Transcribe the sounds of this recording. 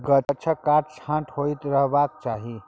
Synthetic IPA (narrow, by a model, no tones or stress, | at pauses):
ɡət͡ʃʰəkaʈt͡ʃʰãʈhojt̪ɾəɦbakt͡ʃaɦi